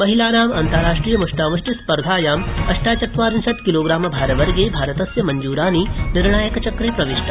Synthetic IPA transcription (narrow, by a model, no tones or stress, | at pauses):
mɐɦilaːnaːmɐnt̪ɐɾaːʂʈɾiːjɐmuʂʈaːʋɐʂʈispɐɾd̪ʱaːjaːmɐʃʈaːt͡ʃɐt̪ʋaːɾɐnsɐt̪kiloːɡɾaːmɐbʱaːɾɐʋɐɾɡeːbʱaːɾɐt̪ɐsjɐmɐɲd͡ʒuːɾaːniniɾɳaːjɐkɐt͡ʃɐkɾeːpɾɐʋiʃʈʰa